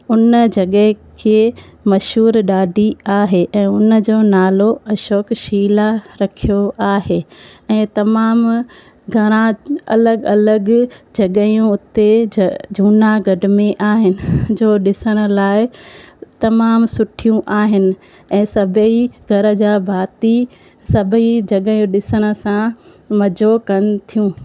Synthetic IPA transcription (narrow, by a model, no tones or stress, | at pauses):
ʊnd͡ʑɐɠəɦkʰe | mɐʃɦuːɾɗaːɖʱiaːɦeʔɛ̃ːʊnəd͡ʑoːnaːloɐʃoːkʃiːlaɾɐkʰijoʔaːɦeːɛ̃ːt̪ɐmaːm | ɡʱɐɾ̃ãɐ̰ləɡɐləɡd͡ʑɐɠəjũʊt̪ed͡ʑʱuːnaɡɐɖmẽʔaːɦɪnɪ̆d͡ʑoːɗɪsəɽ̃ə̆laːɪt̪ɐmaːmsʊʈʰijũʔaːɦɪnɪ̆ | ɛ̃ːsɐbʱiɡʱɐɾə̆d͡ʑaːbʱaːt̪i | sɐbʱid͡ʑɐɠəjũɗɪsəɽ̃ə̆sã | mɐd͡ʑokɐnt̪ʰijũː